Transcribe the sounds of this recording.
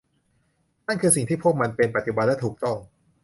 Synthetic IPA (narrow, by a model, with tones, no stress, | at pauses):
na˥˩nkʰɯː˧si˨˩ŋt̪ʰiː˥˩pʰo˦˥˩p̚ma˧npe˧npa˨˩t̪̚ːt͡ɕu˨˩ba˧nlɛː˦˥t̪ʰuː˨˩k̚t̪ɔ˥˩ŋ